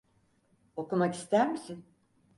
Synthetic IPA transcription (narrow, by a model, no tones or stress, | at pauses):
o̞kumaki̥st̪æɾmisin